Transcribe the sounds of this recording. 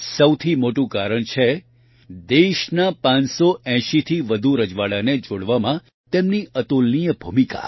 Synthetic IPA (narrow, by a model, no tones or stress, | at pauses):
səwt̪ʰimoʈũkaɾəɳt͡ʃʰe | d̪eʃnapãnsoɛ̃ʃit̪ʰiʋəd̪ʱuɾəd͡ʒʋaɭaned͡ʒoɽʋamã | t̪emniət̪ulnijəbʱumika̰